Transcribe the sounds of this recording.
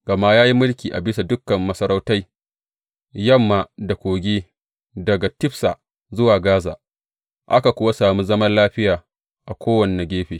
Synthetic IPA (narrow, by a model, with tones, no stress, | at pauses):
ɡ̥ɐ˨ma˦jaː˦ji˦mʊ˦lkʲiː˨ʔa̰˨bɪ˦sa˨dʊ˦kːɐ˨mːɐ˦sɐ˦ɾa˦wta˦j | jɐ˦˨mːa˨da˨kʷoː˨ɡʲeː˦ | dɐ˨ɡa˨tɪ˦ɸsaː˨ | zʊ˦waː˨ɡaː˦za̰ː˨ | ʔa̰˦ka˨kʷʊ˦wa˦saː˨mi˦zɐ˦mɐ˦nlaː˦ɸɪ˦jaː˨ | ʔa˨kʷoː˦wɐ˨nː˨ɐ˨ɡʲeː˦ɸeː˨